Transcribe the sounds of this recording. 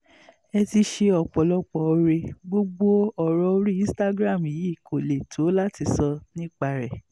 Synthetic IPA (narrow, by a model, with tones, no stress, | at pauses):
ɛ˧ti˧ʃe˧ɔ˨k͡pɔ˨lɔ˧k͡pɔ˧˨o˧ɾe˧ɡ͡bo˦ɡ͡bo˦ɔ˦˨ɾɔ˧˦ɾi˦ĩ˦sta˧ɡɾã˦˨mi˨ji˨˦˨kʰo˨le˨tʰo˨˦la˦ti˧sɔ˧nĩ˦k͡pa˦˨ɾɛ˨